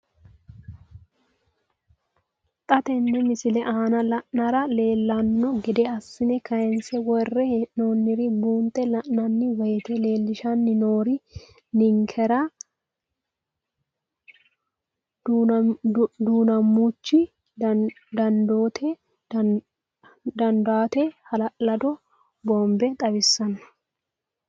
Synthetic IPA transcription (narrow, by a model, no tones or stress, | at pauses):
t̪ʼɐt̪ɛnːɛmɪsɪlɛʔaːnɐlɐʔnɐɾɐle̞ːlːɐnːɔɡɪd̪ɛɐsːɪnɛkɐjɛnsɛwɔrːɛnonːɪɾɪbuːnt̪ʼːɛlɐʔnɐnːɪwɐjɛt̪ɛle̞ːlːɪʃɐnːɪno̞ːɾɪ | nɪŋkʰɛɾɐ | d̪uːnɐmːut͡ʃːɪ | d̪ɐnd̪oːt̪ʰɛ | d̪ɐnd̪aːt̪ɛhɐlɐʔlɐd̪ɔ | boːmbɛt̪ʼɐbɪsːɐn